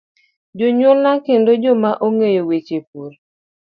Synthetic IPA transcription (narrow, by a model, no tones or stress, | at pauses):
d͡ʒoɲʊlnakendod͡ʒɔmaʔoŋejowet͡ʃepoɾ